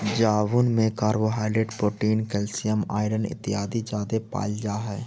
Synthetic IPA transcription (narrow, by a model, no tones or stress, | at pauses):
d͡ʒaːʋunmẽkaːɾʋoɦaːɪɖɾeɖpɾoːʈiːnkɛːlsɪjəma̰ːɪɖənɪ̰t̪ɪɦaːd̪id͡ʒaːd̪epa̰ːld͡ʒaːɦɛː